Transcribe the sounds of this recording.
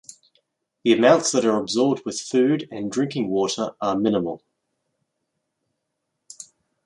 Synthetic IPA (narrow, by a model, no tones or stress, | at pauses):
ðiəmãʊ̃ntsðəɾəɹəbzɔːb̚d̚wɪð̥fʉːdə̃ndɹɪ̃ŋkɪ̃ŋwɔˑɾəɹʔəmɪ̃nəmə̰lˠ